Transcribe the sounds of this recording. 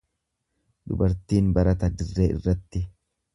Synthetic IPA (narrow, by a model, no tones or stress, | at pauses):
d̪ʊ̰bɐɾt̪iːnbɐɾɐt̪ɐd̪ɪrːeːʔɪ̰rːɐt̪ːɪ